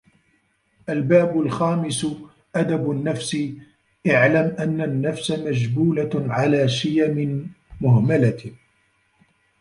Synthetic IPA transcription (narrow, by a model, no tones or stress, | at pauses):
ʔalbaːbʊlxaːmɪs | ʔad̪abanːafsi | ʔaʕlamʔanːanːafsamad͡ʒbuːlaʕalaːʃɪjamɪn | mʊɦmalaɪ